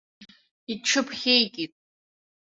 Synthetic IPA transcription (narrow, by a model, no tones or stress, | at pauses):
iʈ͡ʂʰɨpʰχʲejɡʲʼitʼ